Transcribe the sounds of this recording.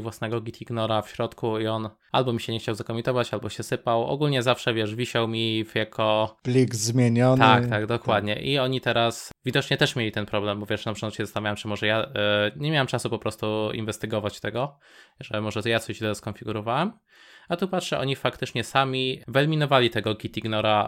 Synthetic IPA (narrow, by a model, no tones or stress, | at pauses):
vwasnɛɡɔɡʲit̪ʲʰiɡnɔɾafɕɾɔt̪kuiɔn | albɔmʲiɕɛɲɛxt͡ɕawzakɔmʲint̪ɔvat͡ɕalbɔɕɛsɘpawɔ̰ɡulɲɛzafʂɛvʲjɛʂvʲiɕawmʲifjakʰɔb̥lʲiɡzmʲjeɲɔt̪akt̪aɡd̪ɔkwwad̪ɲɛ̰ʔiɔɲit̪ɛɾasvʲid̪ɔt͡ʂɲɛt̪ɛʂmʲjelʲit̪ɛnpɾɔblɛmbɔvʲjɛʂnapʂɛnat̪ɕɛzast̪avʲawɛmt͡ʂɘmɔʐɛjaɲɛmjawɛmt͡ʂasupɔpɾɔst̪uḭnvɛst̪ɘɡɔvat͡ɕt̪ɛɡɔ | ʐɛmɔʐɛjatsɔʑd̪ɛɔskɔnfʲiɡuɾɔvawɛm | at̪upatʂɛʔɔ̰ɲifakt̪ɘt͡ʂɲɛsamʲivɛlmʲinɔvalʲit̪ɛɡɔɡʲit̪ʲiɡnɔɾa